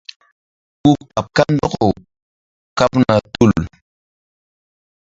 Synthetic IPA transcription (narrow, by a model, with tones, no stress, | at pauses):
ku˦ka˨p̚ka˦ndɔ˦ko˨w | ka˦pna˨tu˦˨l